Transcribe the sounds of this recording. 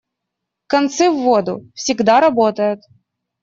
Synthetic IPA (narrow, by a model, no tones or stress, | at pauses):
kɐnt̪sɨvːod̪ʊ̰fsʲɪɡd̪aɾɐbot̪əjʊt̪